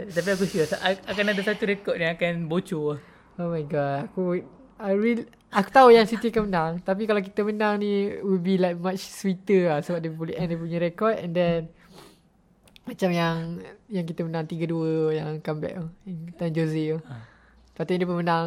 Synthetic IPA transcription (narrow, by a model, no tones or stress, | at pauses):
t̪ap̬iak̬ususaʔakanadasat̪uɾekɔt̪̚nĩakanbot͡ʃoa | omajɡɔt̚aku | aɾil | aku̥t̪aujaŋswit̪əakanmənãŋt̪ap̬ikalak̬it̪əmənaŋniwilbilajk̚mat͡ʃswit̪əlasəbap̚depuliɛ̃ndepuɲəɾekɔt̪̚ɛndɛn | mat͡ʃamjaŋjaŋk̬it̪əmənãŋt̪iɡəduəjaŋkambɛ̰ʔont̪and͡ʒozi | pat̪uidepəmənaŋ